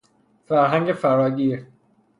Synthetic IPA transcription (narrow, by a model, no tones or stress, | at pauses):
fæɾɦæŋɟefæɾɒːɟiːɾ